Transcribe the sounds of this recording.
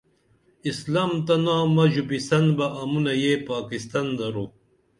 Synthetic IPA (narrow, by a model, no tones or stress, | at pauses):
islamt̪ɐnãːmɐʑubisɐnbɐʔɐmunɐjepaːkist̪ɐnd̪ɐɾu